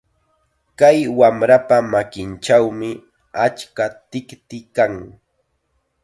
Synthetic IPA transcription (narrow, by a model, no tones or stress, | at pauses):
kajwamɾapamakɪnt͡ʃawmɪ | at͡ʃkat̪ɪkt̪ɪkaŋ